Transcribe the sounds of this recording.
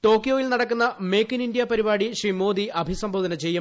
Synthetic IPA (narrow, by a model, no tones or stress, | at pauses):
ʈo̞ːkːjoːjilnɐɽɐkːunːɐme̞ːkːinindjɐpɐɾibaːɽiɕriːmo̞ːd̪iʔɐbʱisɐmbʱoːd̪ɐnɐt͡ɕe̞jːu